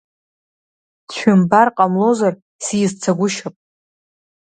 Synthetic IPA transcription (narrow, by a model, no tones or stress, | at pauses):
t͡ʃʷʰᶣʊmbarqʼamlo̞zar | sizt͡sʰaɡʷʊʃapʼ